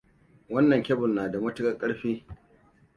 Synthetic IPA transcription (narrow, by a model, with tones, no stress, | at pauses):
wɐ˦nːɐ˨ŋkʲɛ˦bʊ˨lnaː˨da˨mɐ˦tʊ˦kʼɐ˦˨kʼɐ˦ɽɸiː˦